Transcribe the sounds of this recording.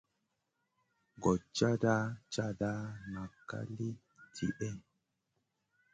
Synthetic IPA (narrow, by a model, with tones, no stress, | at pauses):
ɡɔ˨t͡ʃːa˦da˦t͡ʃa˦da˦ma˨kːa̰˦li˦ | tʰḭ˨ʔɛ˦